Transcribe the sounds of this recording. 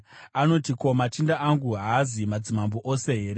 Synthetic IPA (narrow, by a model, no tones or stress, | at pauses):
ano̞tiko̞mat͡ʃindaʔaŋɡuɦaːzimad͡zimambo̞ʔose̞ɦeɾe